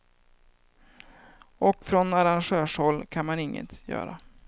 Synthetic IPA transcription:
ʔɔkfɾɔnaɾanɧøːʂhɔlːkʰanmanɪŋːə̰t̪jœ̰ːɾa

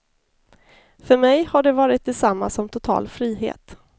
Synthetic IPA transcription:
fœɾmɛjhaɖɛvɑːɾɪt̪̚d̪ɛsamːasɔmt̪ʰʊt̪ʰɑ̰ːlfɾiːɦḛːt̪

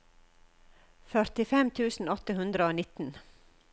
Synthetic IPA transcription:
fœɾt̪ɪfɛmt̪ʰʉːsn̩ɔt̪əhʉnd̪ɾəoːnɪt̪n̩

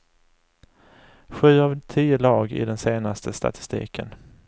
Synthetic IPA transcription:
ɧʉ̟ːavt̪ʰiːʊlɑːɡɪ̰d̪ɛnseːnast̪ʰəst̪a̰t̪ʰɪ̥st̪ḭːkən

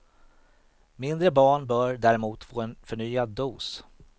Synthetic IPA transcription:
mɪnd̪ɾəbɑːɳbœːɾɖ̪æɾɛmuːt̪foːɛnfœɳyːad̪ːuːs

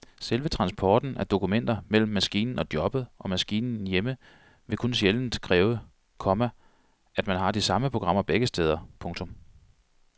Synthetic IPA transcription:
selʋət͡sʰʁɑ̈nsb̥ʰɒːd̥n̩ʔæɐd̥o̝kumen̰d̥ɐmel̰m̩ːæsɡ̥ḭːnn̩ɒ̽d̥jɒ̽b̥ð̩ˠʔɒ̽mæsɡ̥ḭːnn̩jemə | ʋe̝kʰonɕeln̩d̥kʰʁɛːʊə | kʰɒ̽mæ | ʔæd̥mænɦɑ̈d̥isɑ̈məpʰʁo̝ɡ̥ʁɑ̈m̰ɐb̥eɡ̥əsd̥eːð̞ˠɐpʰɔ̽ŋt͡sʰɔ̽m

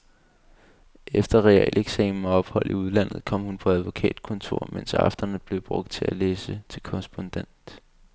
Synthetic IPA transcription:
ʔefd̥ɐʁɛɛ̰ːlʔeɡ̥sɛ̰ːmmɒɒ̽b̥hɒ̽l̰iuð̞̩ˠlæn̰ð̞̩ˠkʰɒ̽m̰hunpʰɒ̽æð̞ˠʋo̝kʰɛ̰ːd̥kʰɔ̽nt͡sʰo̝ɐ̰mensɑ̈fd̥ɐnð̩b̥le̝ʊb̥ʁɔ̽ɡ̥̚d̥̚t͡sʰe̝æleːsət͡sʰe̝lkʰɒʁɛsb̥ɔ̽nd̥en̰d̥

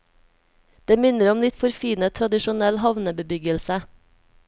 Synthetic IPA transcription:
d̪̥eːmɪnəɾɔmlɪt̪fɔɾfiːnət̪ʰɾɑd̪ɪʃʊnɛlhɑʋnəbəbʏɡəlsə

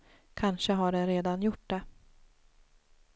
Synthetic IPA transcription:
kʰanʂəɦaɖɛnɾeːd̪anjʊʈ̚ːd̪ɛ

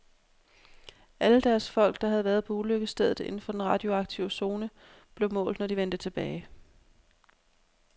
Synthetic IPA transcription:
ʔæləd̥æɐsfɒ̽l̰ɡ̥d̥ɑ̈ɦæð̞̩ˠʋæːɐð̞ˠpʰɒ̽uløɡ̥əsd̥eð̞ˠð̩ˠe̝n̩fɒ̽d̥enʁɑ̈d̥io̝ɑ̈ɡ̥̚t͡sʰiʊəso̝ːnə | b̥le̝ʊmɔ̰̽ːld̥nɒd̥iʋend̥ət͡sʰe̝b̥ɛːɪ

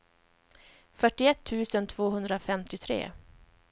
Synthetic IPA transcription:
fœʈːɪɛt̪ʰːʉ̟ːsənt̪ʰvoːɦɵnd̪ɾafɛmt̪ɪt̪ʰɾḛː

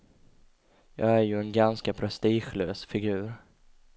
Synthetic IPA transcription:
jɑ̰ːɡæɾjɵɛnɡanskapʰɾɛst̪iːɧløːsfɪɡʉ̟ːɾ

